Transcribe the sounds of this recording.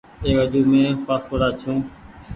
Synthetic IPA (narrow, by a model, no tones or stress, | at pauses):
eːəd͡ʒuːmẽːpaːsoːɾaːt͡ʃʰũː